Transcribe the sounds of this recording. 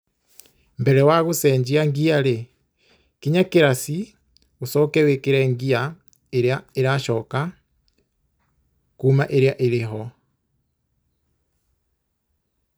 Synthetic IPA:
mbɛɾɛwaɣusɛːɲɟiaŋɡiaɾe | kiɲakeɾasi | usɔkɛwekeɾɛːŋɡia | eɾeaeɾaʃɔka | kumaʔeɾeaʔeɾeɦɔ

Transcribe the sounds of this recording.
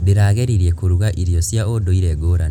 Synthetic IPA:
diɾaːɣeɾiɾjekuɾuɣaʔiɾjɔsjaodoiɾeɡoɾa

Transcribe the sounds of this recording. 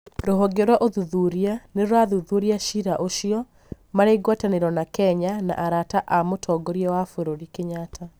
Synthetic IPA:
ɾoɦɔɡeɾwaʔoðuðuɾianeɾowaðuðuɾiaʃiɾaʔoɕijɔ | maɾeɡwataneɾɔnakɛɲana̰ʔaɾataʔamotʰɔɡoɾiɛwafoɾoɾikeɲatʰa

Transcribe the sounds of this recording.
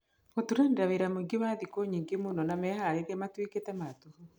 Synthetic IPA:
otuɾenɾaβeɾamuŋɡiβaðikoɲiːŋɡimunonamehaɾeɾematwiketematuhu

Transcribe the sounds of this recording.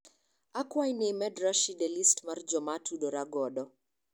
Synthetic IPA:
akwajnɪmɛdɾaʃidɛlistmard͡ʒɔmatudoɾaɡɔdɔ

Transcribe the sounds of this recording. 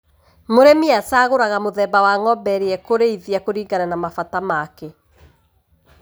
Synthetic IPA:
moɾemiasaːɣoɾaɣamoðɛbawaŋɔbɛɾeɛkoɾeiðiakoɾiːŋɡaɾanamafatamake

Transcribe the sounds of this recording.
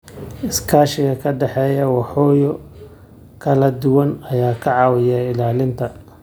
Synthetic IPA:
ɪskʰaːʃɪɣɐkʰɐɖɛħɛːjɐwɑħɔːjɔ | kʰɐlɐd̪ʊwɐnɐjaːkʰɐʕɑːwɪjɛɪlaːlɪnt̪ʰɐ

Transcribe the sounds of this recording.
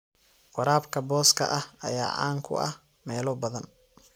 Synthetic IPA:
qɑɾaːbkʰɐbɔːskʰɐ̰ʔɐhɐ̰jaːʕɑ̰ːŋkʰʊ̰ʔɐ̰h | mɛːlɔbɐðɐn

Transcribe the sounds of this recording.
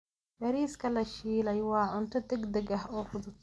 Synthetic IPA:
bɐɾiːskʰɐlɐʃiːlɛjwɑːʕʊnt̪ʰɐd̪ɛɡd̪ɐɡɐɦɔːfʊðʊt̪

